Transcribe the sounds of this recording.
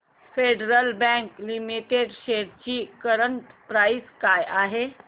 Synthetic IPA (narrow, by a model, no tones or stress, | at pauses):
feɖɾəlbɛ̃ŋklimiʈeɖɕeɽt͡ɕiːkəɾəɳt̪pɾajskajaɦe